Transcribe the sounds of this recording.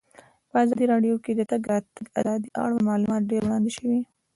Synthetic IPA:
pəazɑd̪iɾɑɖjoked̪ət̪aɡat̪aɡa̰d̪ɑd̪iʔɑ̰ɽamɑlumɑt̪̚ɖeɾwɽɑnd̪eʃəwi

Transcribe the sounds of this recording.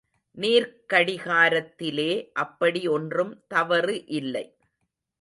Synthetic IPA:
niːɾkɐɽɪɣaːɾɐt̪ːɪleːʔɐpːɐɽiɔndrɯmt̪ɐʋɐɾɯʔɪlːɐɪ

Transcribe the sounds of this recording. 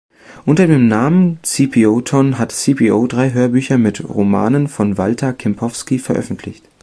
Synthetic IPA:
ʔʊntɐdeːmnaːmənt͡sipʰioːtʰɔnɦatt͡sipʰiːʔoːdʁaɪɦøːɐbyːçɐmɪtʁo̰ma̰ːnənfɔnvaltʰɐkʰɛmpʰɔfskifɛɐʔœ̰fn̩tʰlɪ̰çt

